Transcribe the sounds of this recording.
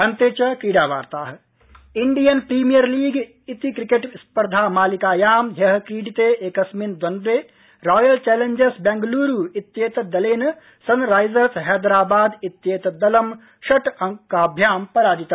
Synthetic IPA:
ɐnt̪eːt͡ʃɐkiːɖaːʋa̰ːɾt̪aːɦɐ̆ | iɳɖijɐnpɾiːmijɐɾliːɡ | it̪ikɾikeːʈiʋspɐɾd̪ʱaːmaːlikaːjaːmjɐɦɐkiːɖit̪eeːkɐsmind̪wɐnd̪eː | ɾɔːjɐlt͡ʃɛːleɲd͡ʒesbɛŋɡluːɾuːit̪jeːt̪ɐd̪ɐleːn | sɐnɾaːjzɐɾsɦɛːd̪ɾaːbaːd̪it̪jeːt̪ɐd̪ɐlɐm | ʃɐʈɐŋkaːbʱjaːmpɐɾaːd͡ʒ̪it̪ɐ

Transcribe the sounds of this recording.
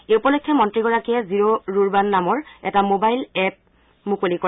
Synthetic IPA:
eupɔlɔkʰːɔmɔntɹiɡɔɹakiɛziɹoɹuɹbanːamɔɹɛ̰tamobajlɛp̚ | mukolikɔ

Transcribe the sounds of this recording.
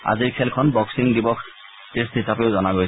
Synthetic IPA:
a̰ziɹkʰɛlkʰɔnbɔksiŋdibɔk | testʰitapeʊzɔnaɡoj

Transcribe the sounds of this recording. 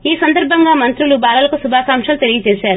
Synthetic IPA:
iːsɐnd̪ɐɾbʱɐŋɡaːmɐnt̪ɾulubaːlɐlɐkusubʱaːsaːmʂɐlut̪e̞lijɐt͡ʃeːʃaːɾu

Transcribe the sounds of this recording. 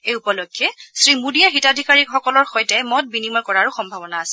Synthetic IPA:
ejupɔlokʰːjɛsɹimudijaxitadʱikaɹikxɔkɔlɔɹxɔjtɛmɔt̚binimɔɹkɔɹaɹuxɔmbʱabɔnaːsɛ̥

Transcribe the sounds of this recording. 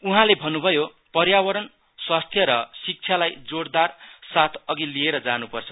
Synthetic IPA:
uɦãlebʱʌnːubʱʌjo | pʌrjawʌɾʌn | swast̪ʰjʌɾʌsik̚t͡sʰjalajd͡zoɽd̪arsat̪ʰʌɡilieɾʌd͡zanupʌrt͡sʰʌ

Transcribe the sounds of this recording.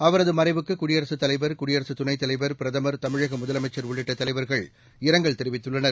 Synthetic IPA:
ɐʋɐɾɐðɯmɐrɐɪʋɯkːɯkʊɽɪjɐɾɐsɯt̪ːɐlɐɪʋɐɾkʊɽɪjɐɾɐsɯt̪ʊnɐɪt̪ːɐlɐɪʋɐɾpɪɾɐðɐmɐɾt̪ɐmɪɻɐɣɐmʊðɐlɐmɐɪt͡ʃːɐɾʋʊɭːɪʈːɐt̪ːɐlɐɪʋɐɾɣɐɭ | ɪɾɐŋɡɐɭt̪ɛɾɯʋɪt̪ːɯɭːɐnɐɾ

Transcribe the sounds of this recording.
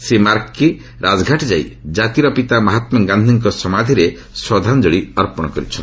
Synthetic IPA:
semaɾkːi | ɾʔad͡ʒɡʱaʈd͡ʒajd͡ʒat̪iɾɔpit̪amɔɦat̪mɔɡãnd̪ʱiŋk̬ɔsɔmad̪ʱiɾe | swɔd̪ʱand͡ʒoɽiɔɾpɔɽ̃ɔkɔɾḭt͡ʃʰɔn

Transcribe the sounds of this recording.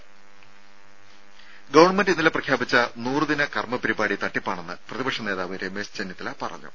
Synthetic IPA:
ɡɐʋɐrɳmendinːileprɐkʰjaːbit͡ɕːɐnuːrɨðinɐkɐrmɐpɐɾibaːɽit̪ɐʈːipːaːɳe̞nːɨprɐðibɐkʂɐne̞ːðaːʋɐɾemest͡ɕenːit̪ːilɐpɐrɐ̰ɲːṵ

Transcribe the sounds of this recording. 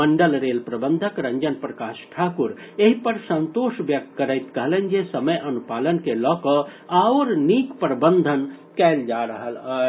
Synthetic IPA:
məɳɖəlɾeːlpɾɐbənd̪ʱəkɾɐ̃ɲd͡ʒənpɾɐkaːʃʈʰaːkuɾ | eɦipəɾsə̃nt̪oːʃʋjɐk̚t̪kəɾəjt̪kəɦlẽnd͡ʒesɐməjʔɐnupaːlənkelɔːkɔaːoɾniːkpɾəbənd̪ʱənkɛld͡ʒaɾɐɦələ

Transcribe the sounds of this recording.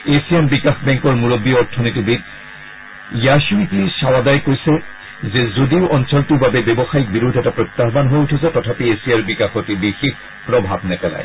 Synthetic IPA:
esiembikaxbɛŋkɔɹmuɹobːiɔɹtʰːɔnitibit | jaʃuitiʃawad̪ajkojsɛ | zezodiʊʔɔnsɔltibabebebɔxaik̚biɾud̪ʱɛtapɹot̪ːaɦbanɦojutʰuzatɔtʰapiesijaɹbikaxotibixik̚ | pɹɔbʱabnɛpɛla̰j

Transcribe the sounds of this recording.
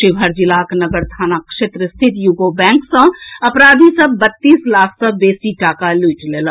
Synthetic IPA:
ʃɪbʱəɾd͡ʒɪlaknəɡəɾt̪ʰaːnakʃet̪ɾəst̪ʰit̪juɡobɛ̃ŋksə̃əpɾaːd̪ʱisə̃bət̪ːiːslaːkʰsə̃beːsiʈaːkaluʈlelə̃

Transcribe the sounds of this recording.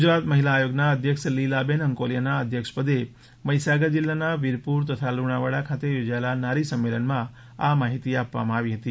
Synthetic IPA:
ɡud͡ʒɾat̪məɦilaːjoɡnaəd̪ʱjəkʂlilabenəŋkoljənaəd̪ʱjəkʂpəd̪e | məjsaɡəd͡ʒilːanaʋiɾpuɾt̪ət̪ʰaluɽ̃aʋəɽakʰat̪ejod͡ʒaelanaɾisəmːelənmã | amaɦit̪iapʋa̰mãːʋiɦət̪i

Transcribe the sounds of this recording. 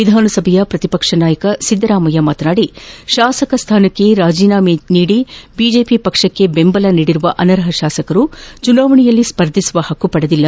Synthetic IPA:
ʋid̪ʱaːnɐsɐbʱɐjɐpɾɐt̪ipɐkʂɐnaːjɐkɐsid̪ːɐɾaːmɐjɐmaːt̪ɐnaːɽiʃaːsɐkɐst̪ʰaːnɐkːe̞ɾaːd͡ʒiːnaːminiːɽibiːd͡ʒe̞ːpipɐkʂɐkːe̞bembɐlɐniːɽiɾuʋɐʔɐnɐɾɐɦɐʃaːsɐkɐɾut͡ʃunaːʋɐɳijɐlːispɐɾd̪ʱisuʋɐhɐkːupɐɽɐd̪ilːɐ

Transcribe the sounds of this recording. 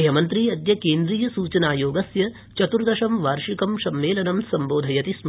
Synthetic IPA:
ɦɐmɐnt̪ɾiɐd̪jɐkeːnd̪ɾijɐsuːt͡ʃɐnaːjoːɡɐsjɐ | t͡ʃɐt̪uɾd̪ɐʃɐmʋaːɾʂikɐmʃɐmʋeːlɐnɐmsɐmboːd̪ʱɐjɐt̪ism

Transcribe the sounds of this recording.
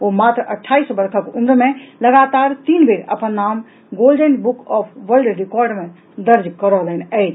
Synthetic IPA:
omat̪ɾʔəʈʰːaisbəɾkʰəkumɾmeləɡat̪aɾt̪inbeɾə̰pənːam | ɡolɖənbukɔpʰʋəɾlɖɾikɔɾɖmẽ | d̪əɾd͡ʒkəɾɔlɛnəjt͡ʃʰ

